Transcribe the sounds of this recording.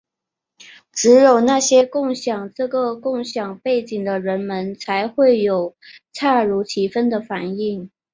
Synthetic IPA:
ʈ͡ʂɻ̩˧˥jo˨˩ʊna˥˩ɕjɛ˥kʊ˥˩ŋɕjɑ˨˩ŋʈ͡ʂɤ˥˩ɡə˩kʊ˥˩ŋɕjɑ˨˩ŋpe˥˩ɪt͡ɕi˨˩ŋd̪ə˦ɻə˧˥nmə˧˥nt͡sʰa˧˥ɪxwe˥˩ɪjo˨˩ʊt͡sʰa˥˩ɻu˧˥t͡ɕʰi˧˥fə˥nd̪ə˨fa˨˩˦ni˥˩ŋ

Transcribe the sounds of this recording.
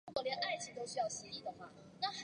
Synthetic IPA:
u˥kwɔ˧˥ljɛ˧˦nʔa˥˩ɪt͡ɕʰi˧˦t̪o˥˧ʊɕy˧˥jɑ˥˩ʊɕɛ˧˦i˥˩d̪ə˩xwa˥˩ | na˥˩x

